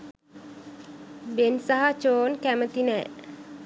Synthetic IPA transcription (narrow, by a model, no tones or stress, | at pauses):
bensaɦat͡ʃoːnkæmət̪inɛ